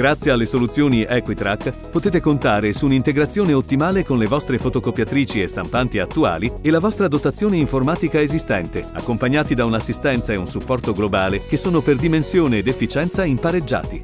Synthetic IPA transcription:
ɡ̥ɾat̪sːjealːesolut̪sjoːniɛkwit̪ɾakːpot̪eːt̪ekont̪aːɾesuːnint̪eɡɾat̪sːjoːneot̪ːimaːlekonlevɔst̪ɾefot̪okopːjat̪ɾiːt͡ʃiest̪ampant̪iat̪ːua̰ːlielavɔst̪ɾad̪ot̪at̪sːjoːneiɱformaːt̪ikaezist̪ɛnt̪ea̰kːompaɲːaːt̪id̪aunasːist̪ɛnt̪saeunsupːɔrt̪oɡlobaːlekesːoːnoperd̪imensjoːneːd̪efːit͡ʃɛnt̪saimpaɾed͡ʒːa̰ːt̪i

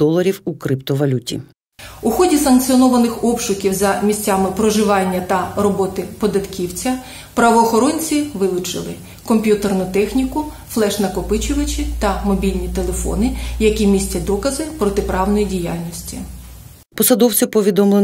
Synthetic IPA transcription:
d̪ɔlˠɐɾʲiwukɾɪpt̪ɔʋɐlʲutʲḭ | ʊxɔdʲisɐnk̚t͡s̪ʲiɔnɔʋɐnɪxɔpʃʊkʲiwzɐmʲisʲt͡sʲːamɪpɾɔʒɪʋɑnʲːɐt̪ɐrɔbɔt̪ɪpɔd̪ɐt̪kʲiwt͡sʲɐ | pɾɐʋɔːxɔɾɔnʲt͡sʲiʋɪlˠʊt͡ʃɪ̰lˠɪ̰ | kɔmʲpʲjut̪ernʊt̪ɛxnʲikʊ | flˠɛʃnɐkɔpɪt͡ʃʊʋɐt͡ʃʲit̪ɐmɔbʲilʲnʲit̪e̞lˠe̞fɔ̰nɪjɐkʲimʲisʲtʲɐd̪ɔkɐzɪpɾɔt̪ɪpɾɑwnɔjidʲijalʲnʲisʲtʲi | pɔsɐd̪ɔwt͡sʲɪpɔʋʲid̪ɔmlˠe

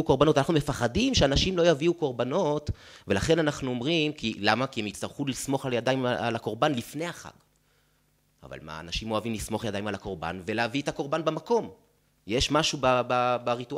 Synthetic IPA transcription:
uko̞ʁbano̞t̪anaχnume̞faχadimʃeanaʃimlo̞javiuko̞ʁbano̞t | ve̞laχe̞nanaχnuo̞mʁimkilamakiemitt͡sst̪aʁχulismo̞χaljadajma̰lako̞ʁbanlifne̞jaχa̰ɡ̥ | a̰va̰lma̰ːnaʃimo̞avimlismo̞χajad̪ajimalako̞ʁba̰nve̞leavietako̞ʁbanbemako̞m | jeʃmaʃubababaʁitua

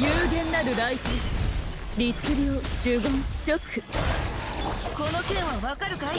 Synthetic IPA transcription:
jɯːɡẽ̞nːaɾɯ̟ɾaitɯ | ɾʲit͡sɨɾʲiod͡ʑɨɡõnt͡ɕokʰɯ | konokẽɰ̃βaβakaɾɯ̟ka

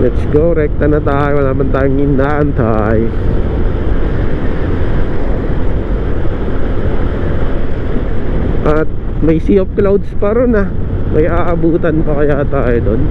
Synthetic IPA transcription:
mɛt̪sɡoɾɛk̚t̪ɐnɐt̪aːjonaːmɐnt̪aːjoŋɪnaʔɐnt̪aːjo | ʔɐt̪̚ | mɐjsiːop̚klawd̪spɐɾonɐ | mɐjaːʔɐbuːt̪ɐnpɐkɐjat̪aːjod̪on

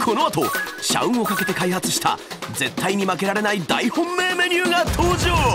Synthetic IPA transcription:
kʰo̞noat̪o̞ɕa̰ɯ̟̃ɰ̃o̞kake̞t̪e̞kaihat͡sɨ̥ɕi̥t̪a̰d͡ze̞t̪ːaiɲ̟imake̞ɾaɾe̞naid̪aihõ̞mːe̞ːme̞ɲʲɨːɡat̪ʰoːʑoː

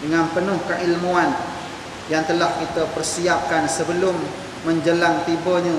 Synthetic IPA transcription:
dəŋanpənʊhkaʔilmuan | jaŋt̪əlaʔkit̪əpərsiap̚kansəbəlʊmː | əɲd͡ʒəlaŋt̪ibəɲə

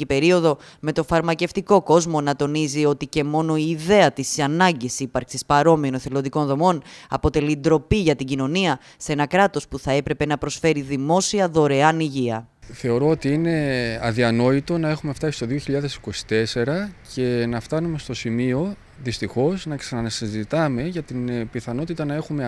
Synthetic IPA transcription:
ipe̞ɾio̞ðo̞me̞t̪o̞fɐɾmɐce̞ft̪iko̞ko̞zmo̞nɐt̪o̞nizio̞t̪ice̞mo̞no̞iːðe̞ɐt̪isɐnɐɲɟisipɐɾksispɐɾo̞mionoθelo̞nðiko̞nðo̞mo̞nɐpo̞t̪e̞lid̪ɾo̞piʝɐt̪iɟino̞niɐ | se̞nɐkɾɐt̪o̞spuθɐe̞pɾe̞pe̞nɐpɾo̞sfe̞ɾiðimo̞siɐðo̞ɾe̞ɐniʝiɐ | θe̞o̞ɾo̞ot̪iine̞ɐðiɐno̞it̪o̞nɐe̞xume̞ft̪ɐsi̥st̪oðio̞çiʎɐðe̞si̥ko̞si̥t̪e̞se̞ɾɐce̞nɐft̪ɐnume̞st̪o̞simio̞ | ðist̪ixo̞znɐksɐnɐnɐsizit̪ɐme̞ʝɐt̪inpiθɐno̞t̪it̪ɐnɐe̞xume

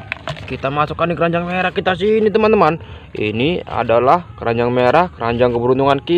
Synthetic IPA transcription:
kit̪amasukːandikəɾaɲd͡ʒaŋmeɾahkit̪as̬init̪̬əmant̪əman | ḭnia̰dalahkəɾaɲd͡ʒaŋmeɾahkəɾaɲd͡ʒaŋkəbəɾunt̪uŋanki

